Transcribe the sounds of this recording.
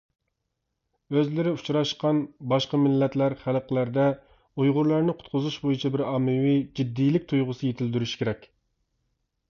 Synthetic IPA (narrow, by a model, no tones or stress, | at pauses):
øzlɪɾɪu̥t͡ʃʰɾɑʃqɑnbɑʃqɑmɪlːɛt̪læɾχælˠəqlæɾd̪ɛ | ujʁʊɾlˠɑɾnɪqʰʊ̥t̪̚qʰʊzuʃbojit͡ʃʰɛbɪɾɑːmːɨwid͡ʒid̪ːijlɪk̚ʲt̪ʰujʁʊsɨjet̪ʰɪld̪yɾyʃi̥kʲʰeɾɛkʲ